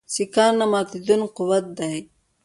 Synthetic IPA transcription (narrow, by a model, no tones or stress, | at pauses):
sikaɾnamaːt̪id̪unqʊwat̪̚d̪aj